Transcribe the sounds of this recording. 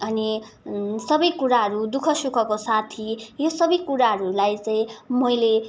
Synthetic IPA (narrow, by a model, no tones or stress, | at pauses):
ʌni | sʌbʌjkuɾaɦʌɾud̪ukʰʌsukʰʌkosat̪ʰijosʌbʌjkuɾaɦʌɾulajt͡saĩmʌjle